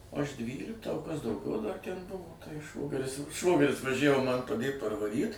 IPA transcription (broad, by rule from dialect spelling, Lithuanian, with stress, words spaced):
ˈɐʃ ˈdʲʋʲiːlʲɪktɑː oː ˈkɐs dɐʊˈɡʲɛʊ dɐr ˈtʲɛn ˈbʊʋoː tɐɪ ˈʃʋoːɡʲɛrʲɪs ˈʃʋoːɡʲɛrʲɪs ʋɐˈʒʲæʋoː ˈmɐn pɐˈdʲeːt pɐrʋɐˈrʲiːt